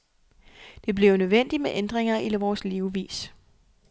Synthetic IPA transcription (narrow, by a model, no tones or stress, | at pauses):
d̥e̝b̥le̝ʊnøðˠʋen̰d̥imeʔend̥ʁeŋɐilʋɒːsliʊʋḭːs